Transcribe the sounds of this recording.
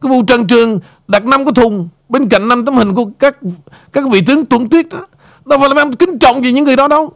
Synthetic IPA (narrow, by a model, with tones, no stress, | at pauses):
kaː˨˦vṵ˧˨t͡ɕə˨˩ŋt͡ɕɨ˨˩əŋ | ɗa˨˩t̚na˧mku˧˩ət̪ʰʊ˨˩ŋ͡m | ɓe˧nka̰˧˨jŋ̟na˧mt̪ə˨˦mhï˨˩ŋ̟ku˧˩əkaː˦˥k̚ | kaː˦˥k̚vḭ˧˨t̪ɨ˨˦ŋt̪wə˧˩nt̪i˦˥ət̚ɗ | ɗɔ˨˦faː˧˥la˨˩˧ʔŋ͡mkï˨˦ŋ̟t͡ɕɔ̰˧˨wŋ͡mvi˨˩ɲɨ̰˧˥ŋːɨ˨˩əjɗɔ˨˦ɗə˨˧w